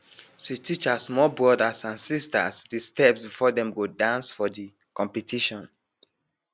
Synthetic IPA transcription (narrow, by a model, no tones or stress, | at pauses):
ʃitʰit͡ʃasmɔlbɹɔdasãnsista̰sdistɛpsbifɔdɛ̃mɡodãnsfɔdi | kɔ̃mpɛtiʃɔ̃n